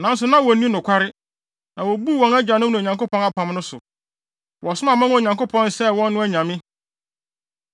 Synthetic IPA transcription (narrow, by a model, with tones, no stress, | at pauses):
nã˨˦n˦s̬ʊ˨nã˦wɔ˨nĩ˦nʊ̃˨kʷʰa˦ɾɪ˦ | nã˨wɔ˨bu˦˨wɔ̃˨næ˦d͡ʑa˨nʊ̃˦mnʊ̃˨ɲã˨ŋko˦pʰɔ̃˦na˦pʰã˨m˦nʊ̃˦sʊ̰˨ | wɔ˨sʊ˦mã˨mã˦n˦˨ɲã˨ŋko˦pʰɔ̃˦nsɛ˦wɔ̃˦nː˦ʊ̃˦æ˦ɲã˨mɪ̃˦